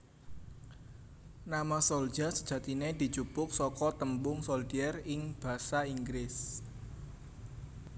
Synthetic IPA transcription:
namasold̥ʒ̥a̤sə̥d̥ʒ̥ä̤t̪ined̪̥i̤t͡ʃupʊk̚sɔkɔt̪əmbʊŋsold̪iɛrɪŋb̥ä̤saiŋɡɾɪs

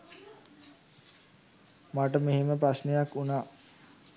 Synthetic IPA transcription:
maʈəmeɦeməpɾasnejakːunaː

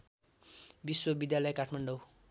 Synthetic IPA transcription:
biswʌbid̪jalʌjkaʈʰmaɳɖʌw

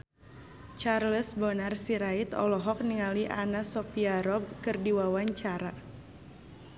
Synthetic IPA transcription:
t͡ʃarləsbɔnarsiɾait̪ɔ̰lɔɦɔk̚niŋaliʔanasɔpiaɾɔb̚kɨrdiwawaɲt͡ʃaɾa

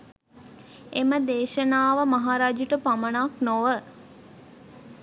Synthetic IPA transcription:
eməd̪eːʃənaːʋəmaɦaːɾaːd͡ʒuʈəpamənaknoʋə

